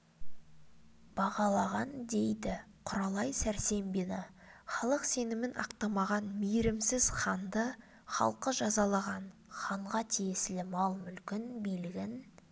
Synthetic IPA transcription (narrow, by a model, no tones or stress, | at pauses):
b̥ɑʁɑlˠɑʁɑnd̪e̞jd̪ɪ | qʰʊɾɑlˠɑjsæɾse̞mbenɪ | χɑlˠəqse̞nɪmɪnʔɑ̰qt̪ɑmɑʁɑnmijɪɾɪmsɪz̥χɑnd̪ə | χɑ̰lˠqəʒɑzɑlˠɑʁɑnχɑɴʁɑt̪ʰijesɪlɪmɑlˠmʏlkʲɪnbelɪɡʲɪn